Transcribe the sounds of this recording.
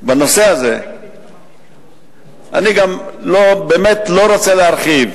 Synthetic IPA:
bano̞se̞aze̞ | a̰niɡamlobeːmetlo̞ɾot͡seleaɾχiv

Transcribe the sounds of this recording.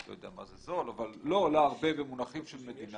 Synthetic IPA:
lojod̪eama̰zezo̞lavalːoːlaːʁbe̞be̞munaχimʃelmed̪ina

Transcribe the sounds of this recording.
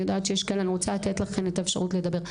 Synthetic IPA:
jod̪aːt̪ʃejeʃkeelaniʁot͡salat̪etlaχe̞net̪aefʃaʁutled̪abe̞ʁ

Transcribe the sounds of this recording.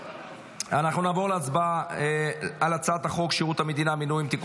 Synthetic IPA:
anaχnunaːvo̞ʁleat͡sba | alat͡saat̪aχo̞kʃiʁut̪hame̞d̪inaminujimt̪ik

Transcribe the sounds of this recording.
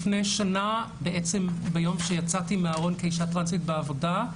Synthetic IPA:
fnejʃana | beʔet͡sembejo̞mʃejat͡satimeaʁo̞nkeiʃatʁanzitbeavo̞da

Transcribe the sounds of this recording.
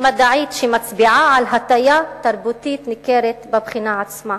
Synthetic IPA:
mad̪aʕiːt̪ʃimat͡sbiʕaʕalɦat̪ajat̪aɾbut̪iːt̪nɪkeːɾet̪babχinaʕat͡sma

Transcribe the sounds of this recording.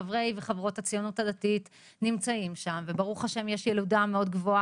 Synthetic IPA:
avʁe̞jveχavʁo̞that͡sijo̞nutadatit | nimt͡saimʃamve̞baʁuχaʃe̞mjeʃjeludameo̞dɡvo̞a

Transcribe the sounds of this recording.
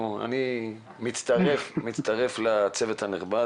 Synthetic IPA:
ua̰ni | mitt͡st̪aʁefmit̪t͡st̪aʁe̞flat͡se̞vet̪haniχba

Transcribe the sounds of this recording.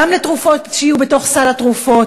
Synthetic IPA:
amletʁufo̞tʃijube̞to̞χsalatʁufo̞

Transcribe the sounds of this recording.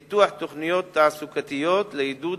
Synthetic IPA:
t̪uːħt̪ːʊxnɪjoːt̪ːaʕsʊkat̪ɪjːoːt̪lɪhɪd̪uː

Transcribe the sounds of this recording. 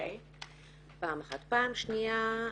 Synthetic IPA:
paːmaχat̪paːmʃnia

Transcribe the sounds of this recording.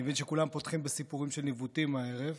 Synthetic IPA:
evinʃekulampotχimbesipuʁimʃelnivutimae̞ʁev

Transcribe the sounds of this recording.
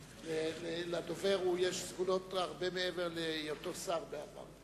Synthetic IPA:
lelelad̪ove̞ʁujeʃzɡuno̞taʁbemeeve̞ʁlejotosaʁbeava̰ʁ

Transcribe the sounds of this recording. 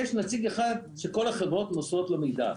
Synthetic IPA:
jɛʃnat͡siɡeχad̪ʃeko̞laχevʁot̪nosot̪lamid̪a̰

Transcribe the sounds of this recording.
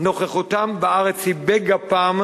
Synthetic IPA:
no̞χeχut̪ambaʔaʁet͡sibeɡapaːm

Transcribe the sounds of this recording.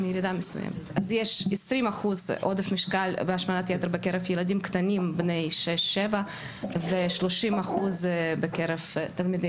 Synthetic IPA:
mijeɾid̪amesṵjḛmet̪azjeʃesɾimaχuzʔod̪efmiʃkalbeaʃmanat̪jet̪eɾbekeɾefjelad̪imkt̪animbnejʃeʃːeva | veʃloʃimaχuzbekeɾevt̪almid̪e

